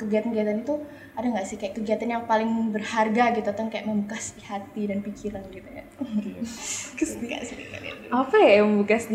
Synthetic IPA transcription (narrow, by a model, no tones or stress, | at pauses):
kəɡiat̪anɡiat̪anit̪u | adaŋɡaʔsɪhkajaʔkəɡiat̪anjaŋpalɪŋbərharɡaɡit̪uat̪aŋkajaʔməmbukasihat̪idanpikiɾanɡit̪uja̰ | kəst̪ika̰ʔsiit̪aat̪apɛməmbukas